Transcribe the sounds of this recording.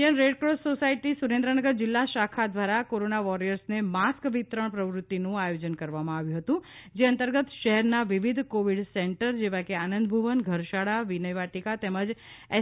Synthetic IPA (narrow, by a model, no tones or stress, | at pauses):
ənɾeɖkɾossosaiʈisuɾẽnd̪ɾənəɡəɾd͡ʒɪlːaʃakʰad̪ʋaɾakoɾonaʋɔɾijəɾsnemaskʋit̪ɾəɳ̃pɾəʋɾʊt̪ːinũajod͡ʒənkəɾʋamãaʋjũɦət̪ũ | d͡ʒeənt̪əɾɡət̪ʃəɦɛɾnaʋiʋid̪ʱkoʋiɖsɛɳʈəɾd͡ʒeʋakeanə̃nd̪bʱuʋənɡʱəɾʃaɽaʋinəjʋaʈikat̪eməd͡ʒɛ